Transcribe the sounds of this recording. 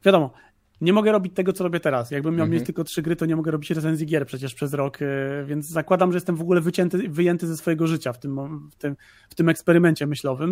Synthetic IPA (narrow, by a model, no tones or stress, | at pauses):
vʲjad̪ɔmɔ | ɲɛmɔɡɛɾɔbʲit͡ɕt̪ɛɡɔt̪sɔɾɔbʲjɛt̪ɛɾasjaɡ̚bɘmʲːjawmʲet͡ɕt̪ɘlkɔtʂɘɡɾɘt̪ɔɲɛmɔɡɛɾɔbʲit͡ɕɾɛt̪sɛnzʲjiɡʲjɛɾpʂɛt͡ɕɛʂpʂɛzɾɔkvʲjɛnd̪zzakwad̪amʐɛjɛst̪ɛmvɔɡulɛvɘt͡ɕɛnt̪ɘvɘjɛnt̪ɘzɛsfɔjɛɡɔʐɘt͡ɕaft̪ɘmft̪ɘm | ft̪ɘmɛkspɛɾɘmɛɲt͡ɕɛmɘɕlɔvɘm